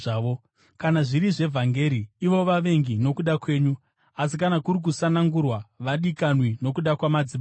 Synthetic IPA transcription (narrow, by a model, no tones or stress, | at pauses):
aːʋo | kanaʐiɾiʐe̞vʱaŋɡe̞ɾiːʋo̞ʋaʋe̞ŋɡino̞kuɗakwe̞ːɲu | as̬ikanakuɾik̬usanaŋɡurwaʋaɗikanwino̞kuɗakwamad͡zima